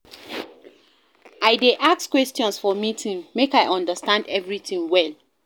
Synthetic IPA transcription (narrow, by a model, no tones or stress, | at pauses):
aɪdeʔakskwɛstjɔ̃nsfɔmitʰĩnmekaɪʔɔ̃ndəstãndɛvɹitĩŋwɛl